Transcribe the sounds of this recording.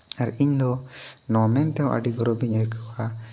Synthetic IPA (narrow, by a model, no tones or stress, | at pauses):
aɾiɲd̪ɔ | nɔmɛnt̪ɛw̃ʔa̰ɖiɡɔɾɔbiɲəɾkʰəa